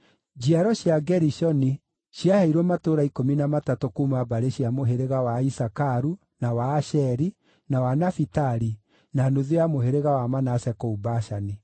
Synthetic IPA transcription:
d͡ʒiaɾɔɕjaɡɛɾiʃɔni | ʃjahɛiɾwɔmatoɾaikominamatatokumabaɾeɕjamoɦeɾeɣawaisakaɾu | nawaːʃɛɾi | nawanafitaɾi | nanoðeamoɦeɾeɣawamanasɛkɔubaʃani

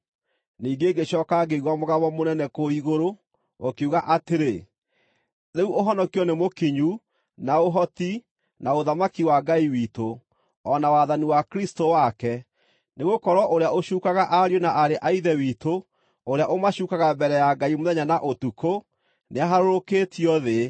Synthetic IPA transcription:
niːɡeːɡeɕɔːkaɡeiɣwamoɣaβɔmonɛnɛkoiɣoɾo | okeuɣaʔateɾe | ðeuʔoɦɔnɔkiɔnemokiɲu | naoɦɔti | naoðamakiwaɡaiwiːto | ɔnawaðaniwakɾistowakɛ | neɣokɔɾɔʔoɾeaoʃuːkaɣaʔaɾjonaʔaɾeʔaiðɛwiːto | oɾeaʔomaɕuːkaɣambɛɾɛjaɡaimoðɛɲanaʔotuko | neaɦaɾoɾoketiɔðe

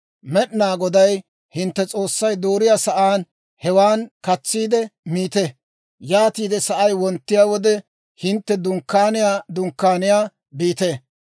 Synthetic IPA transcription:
mɛɗnaːɡɔd̪ɐj | hɪnt̪ːɛt͡sʼo̞ːsːɐjd̪oːɾɪjaːsɐʔaːn | hɛwaːnkɐt͡sːiːd̪ɛmiːt̪e | jaːt̪iːd̪ɛsɐʔɐjwɔnt̪ːɪjaːwɔd̪ɛ | hɪnt̪ːɛd̪ʊŋkːaːnɪjaːd̪ʊŋkːaːnɪjaː | biːt̪eː

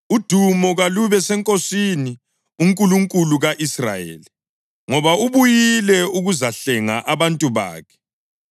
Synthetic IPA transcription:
ud̥ʱumɔɣaluβɛsɛŋkʼosini | uŋkʼuluŋkʼuluɣaʔisra̰jḛːli | ŋɔβauβujilɛuɣuzaɬɛŋa̰ʔaβantʼuβa̰ːkʰɛ̥

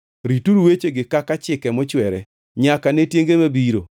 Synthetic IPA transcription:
ɾituɾuwet͡ʃeɡɪkakat͡ʃɪkɛmɔt͡ʃwɛɾɛ̰ | ɲakanetjeŋɡemabiɾo

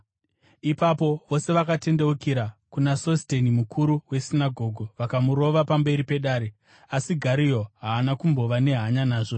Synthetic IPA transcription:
ipapo̞ʋo̞se̞ʋakate̞nde̞ukiɾakunaso̞ste̞nimukʰuɾuwe̞sinaɡʱo̞ɡʱoʋakamuɾo̞ʋapambe̞ɾipe̞ɗaːɾe̞ | asiɡʱaɾijo̞ɦaːnakumbo̞ʋane̞ɦaɲanaːʐo

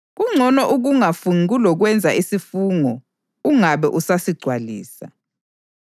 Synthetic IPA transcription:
k̬uŋ͡ǀʱɔnɔʔuk̬uŋafunikulɔk̬wɛnd͡zʱaisifuːŋɔ | uŋaɓɛʔusasiɡ͡ǀʱwalḭːsa

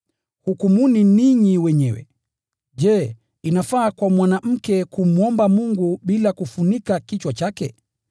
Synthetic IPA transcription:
hukumuniniɲiwɛɲɛwɛ̰ | ʄɛː | inafaːkwamwanam̩kɛkum̩ɔmbamuŋɡuɓilakufunikakit͡ʃwat͡ʃakɛ̰

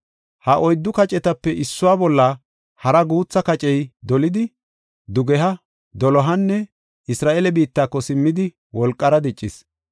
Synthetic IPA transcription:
hɐʔɔjd̪ːʊkɐt͡ʃʼɛt̪ɐpːɛʔɪsːʊwaːbɔlːɐ | hɐɾɐɡuːt͡sːɐkɐt͡ʃʼɛjd̪ɔlɪd̪ɪ | d̪ʊɡɛɦɐ | d̪ɔlɔɦɐnːɛ | ʔɪsɾaːʔelɛbiːt̪ːaːkːɔsɪmːɪd̪ɪ | wɔlkʼːɐɾɐd̪ɛt͡ʃʼːɪs

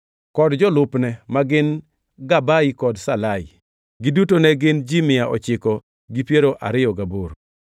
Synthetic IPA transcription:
kɔdd͡ʒɔlʊpnɛmaɡɪn | ɡabaikɔdsalaɪ̰ | ɡidutonɛɡɪnd͡ʒimɪjaʔɔ̰t͡ʃɪkɔ | ɡipjeɾoʔa̰ɾɪjɔɡaboɾ

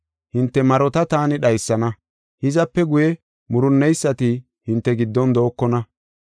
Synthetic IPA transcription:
hɪnt̪ːɛmɐɾɔt̪ɐt̪aːnɪɗɐjsːɐnɐ | hɪzɐpːɛɡʊjɛ | mʊɾʊnːɛjsːɐt̪ɪ | hɪnt̪ːɛɡɪd̪ːɔnd̪oːkːɔnɐ

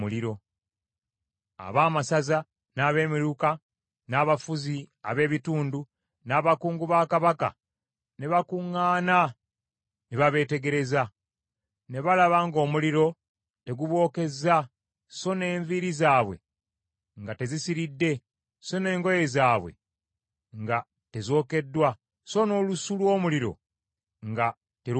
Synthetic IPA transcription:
uliɾo̞ | a̰βaːmasaza | naːβe̞ːmiɾuka | naːβafuzia̰βe̞ːβituːndu | naːβakuːŋɡuβaːkaβaka̰ | neβakuŋːaːna | neβaβe̞ːte̞ɡe̞ɾe̞za | ne̞βalaβaŋɡo̞ːmuliɾo̞ | te̞ɡuβwo̞ːke̞za | so̞ne̞ːɱviɾizaːβwe̞̰ | ŋɡate̞zisiɾidːe̞ | so̞ne̞ːŋɡo̞je̞zaːβwe̞̰ | ŋɡa | te̞zo̞ːke̞dːwa | so̞no̞ːlusulwo̞ːmuliɾo̞̰ | ŋɡa | te

